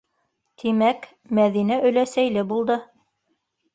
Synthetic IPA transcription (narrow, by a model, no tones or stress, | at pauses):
t̪ʰimæk | mæðinæʔɵ̆læsæjlɘbulˠd̪ɤ